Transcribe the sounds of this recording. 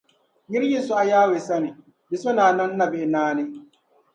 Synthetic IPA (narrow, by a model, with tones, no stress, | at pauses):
jɪ˦ɾjɪ˦˨su˦ʔa˨jaː˦weː˨sɐ˦mi˨ | bi˨sʊ˦naː˨nɐ˦nːɐ˨be˦˨˦naː˦ne˦